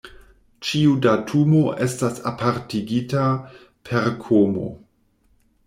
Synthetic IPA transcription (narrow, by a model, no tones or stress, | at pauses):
t͡ʃiudatʰumoʔe̞stasapʰaɾtiɡita | pʰe̞ɾkʰomo̰